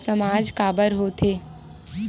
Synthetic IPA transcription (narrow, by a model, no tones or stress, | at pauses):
səmaːd͡ʒkaːbəɾɦot̪ʰeː